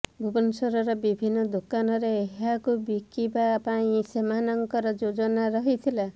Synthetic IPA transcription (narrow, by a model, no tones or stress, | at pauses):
bʱubɔnsɔɾɔɾɔbibʱinːɔd̪okanɔɾeːɦakubikibapaisemanɔŋkɔɾɔd͡ʒod͡ʒɔnaɾɔɦit̪ʰila